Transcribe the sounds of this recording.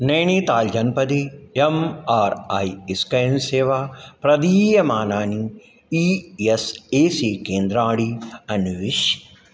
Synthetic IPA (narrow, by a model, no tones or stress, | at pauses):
nɐjɳit̪aːld͡ʒɐnpɐd̪iemaːɾɐjiskɐjnseːʋaːpɾɐd̪iːjɐmaːnaːni | ieseːsiːkeːnd̪ɾaːɽiɐnuʋiʃ